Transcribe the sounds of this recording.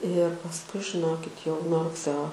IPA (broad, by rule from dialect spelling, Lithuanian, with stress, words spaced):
ɪr pɐsˈkʊɪ ʒʲɪˈnoːkʲɪt jɛʊ nuɔ rʊkˈsʲɛoː